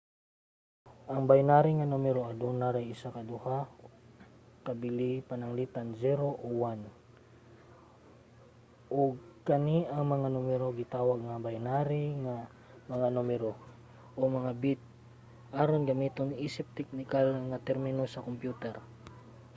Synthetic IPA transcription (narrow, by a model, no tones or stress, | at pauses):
ʔɐŋbajnaɾiŋanumɛɾoad̪onaɾajɪsakɐd̪uha | kɐbɪlipanɐŋliːt̪anzɛɾoʔowan | ʔoɡ̚kɐniʔɐŋmɐŋanomɛɾoɡɪt̪aːwaɡ̚ŋabajnaːɾiŋa | mɐŋanumɛɾo | ʔomɐŋabit̪̚ | ʔaːɾonɡɐmiːt̪oniːsɪp̚t̪ɛk̚nɪkalŋat̪ɛɾmɪnosɐkompjuːt̪ɛɾ